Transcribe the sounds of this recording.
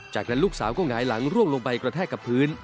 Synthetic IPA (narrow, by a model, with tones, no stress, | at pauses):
t͡ɕaː˨˩k̚na˦˥nluː˥˩k̚saː˩˦wkɔː˥˩ŋaː˩˦jla˩˦ŋɾu˥˩əŋlo˧ŋpa˧jkɾa˧t̪ʰɛː˥˩kːa˨˩pʰɯː˦˥n